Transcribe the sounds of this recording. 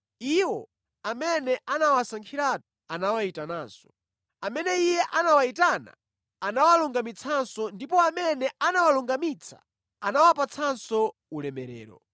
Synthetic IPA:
iwɔ | amɛnɛʔanawasaŋkʰiɾatu̥ | anawaitanaːsɔ̥ | amɛnɛijɛʔanawaitana̰ | anawaluŋɡamit͡sʰansɔndipɔamɛnɛanawaluŋɡamit͡sʰa̰ | anawapat͡sʰansɔ | ulɛmɛɾɛ̰ːɾɔ̰

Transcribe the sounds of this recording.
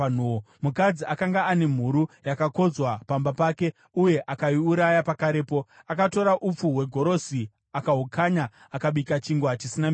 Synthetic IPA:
n̤uo | mukad͡ziʔakaŋɡaːne̞m̤uɾujakako̞d͡zwapambapaːke̞ | uje̞ʔakaiuɾajapakaɾe̞po̞ | akato̞ɾaʔup͡fuwe̞ɡʱo̞ɾo̞si | akaɦukʰaɲa | akaɓikat͡ʃiŋɡwat͡ʃisinam

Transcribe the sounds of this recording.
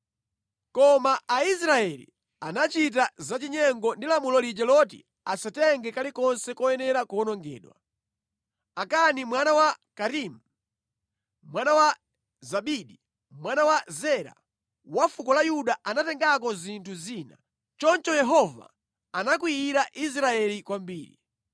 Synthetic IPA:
kɔmaais̬ɾaɛlḭ | anat͡ʃit̬azat͡ʃiɲɛŋɡɔndilamulɔlid͡ʒɛlɔtḭ | asatɛŋɡɛkalikɔnsɛkɔjɛnɛɾakɔnɔŋɡɛ̰ːɗwa̰ | akanimwanawakaɾim̩ | mwanawa | zaɓiɗi | mwanawazɛɾa̰ | wafukɔlajuɗaʔanatɛŋɡakɔzintʰuziːna | t͡ʃɔnt͡ʃɔjɛɦɔva̰ | anak̬wiiɾaʔis̬ɾaɛlikwambiːɾḭ

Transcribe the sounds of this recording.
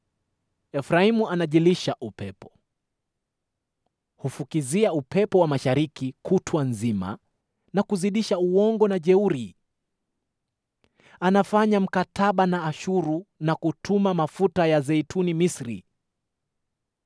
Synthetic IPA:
ɛfɾaimuanaʄiliʃaʔupɛpɔ̥ | hufukiziaupɛpɔwamaʃaɾikikʰutʰwanzima̰ | nakuziɗiʃauwɔŋɡɔnaʄɛuɾi | anafaɲam̩katʰaɓanaːʃuɾunakutʰumamafutajazɛjtʰunimisɾḭ

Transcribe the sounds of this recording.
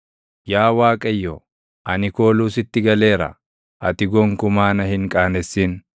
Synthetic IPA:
jaːwaːkʼɐjːɔ | ʔɐnɪko̞ːluːsɪt̪ːɪɡɐle̞ːɾɐ̰ | ʔɐt̪ɪɡɔŋkʊmaːnɐhɪŋkʼaːnɛsːiːn

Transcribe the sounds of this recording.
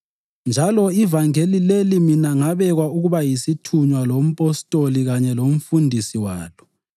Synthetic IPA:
nd͡ʒʱalɔivaŋelileliminaŋaβɛɣwauɣuβajisitʰuɲwalom̩pʼɔstʼoliɣaɲɛlom̩fundʱisiwa̰ːlɔ

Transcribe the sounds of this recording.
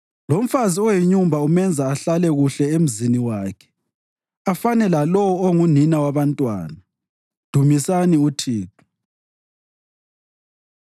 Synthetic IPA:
lom̩faziɔjiɲumbʱaumɛnd͡zʱaːɬalɛɣuɬɛem̩ziniwaːkʰɛ̥ | afanɛlalɔwɔoŋuninawaβantʼwa̰ːna | d̥ʱumisaniutʰiːtʰu̥

